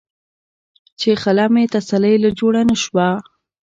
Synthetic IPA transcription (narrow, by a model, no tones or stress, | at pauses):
t͡ʃexalamet̪asalajlad͡ʒoɽanəʃwa